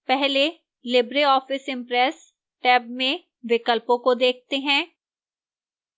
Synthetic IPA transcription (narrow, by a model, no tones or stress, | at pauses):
pɛɦle | lɪbɾeɔːfɪsɪ̃mpɾɛs | ʈɛːbmẽ | ʋɪkəlpõkod̪eːk̚ʰt̪eɦɛ̃ː